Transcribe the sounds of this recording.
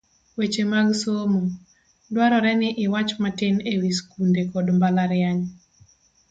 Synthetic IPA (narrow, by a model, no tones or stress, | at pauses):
wet͡ʃemaɡsomo | dwaɾɔɾɛnɪʔɪwat͡ʃmatenewiskundekɔdmbalaɾɪaɲ